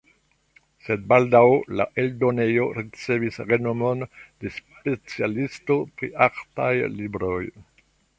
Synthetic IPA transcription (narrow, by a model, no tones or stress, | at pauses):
sed̚baldawla̰ʔeldo̞ne̞jo̞ɾit͡se̞visɾenomond̥e̞spet͡sialisto̞pɾḭʔaɾtajlibɾoj